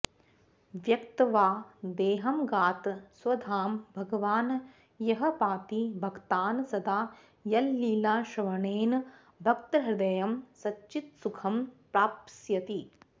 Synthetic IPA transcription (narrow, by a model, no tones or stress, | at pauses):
ʋjɐkt̪ɐʋaːd̪eːɦɐmɡaːt̪sʋɐd̪ʱaːmbʱɐɡɐʋaːn | jɐɦɐpaːt̪ibʱɐɡt̪aːnsɐd̪ʱaː | jɐlːiːlaːʃɐʋɐɳeːn | bʱɐk̚t̪ɐɾɐɦɪd̪ɐjɐmsɐt͡ʃt͡ʃːit̪sukʰɐmpɾaːpsjɐt̪i